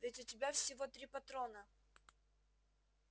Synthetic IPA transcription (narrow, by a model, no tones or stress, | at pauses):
vʲɪtʲʊtʲɪbʲafsʲɪvot̪ɾʲipɐt̪ɾonə